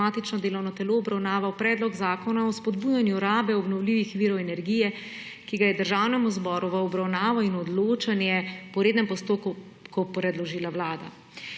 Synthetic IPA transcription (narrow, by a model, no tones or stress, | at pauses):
aːt̪it͡ʃnɔd̪eːlɔwnɔt̪ɛloːbɾawnaːʋawpɾɛːd̪lɔɡzaːkɔnaɔspɔd̪buːjanjuɾaːbɛɔbnɔwliːʋixʋiːɾɔwɛnɛɾɡijɛ | kiɡajɛd̪əɾʒaːwnɛmuzbɔːɾuʋəɔbɾawnaːʋɔinɔd̪loːt͡ʃanjɛpɔɾeːd̪nɛmpɔst̪oːku | kɔpɾɛd̪lɔʒiːlawlaːd̪a̰